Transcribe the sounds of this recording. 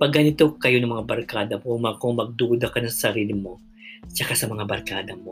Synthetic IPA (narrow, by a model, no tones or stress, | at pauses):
pɐɡɐnɪt̪o̞kɐjo̞nɐŋmɐŋabɐɾkaːd̪ɐmkʊŋmɐkomɐɡ̚d̪uːd̪ɐkɐnɐsɐsɐɾiːlɪmo̞ | t͡ʃɐkasɐmɐŋabɐɾkaːd̪ɐmo̞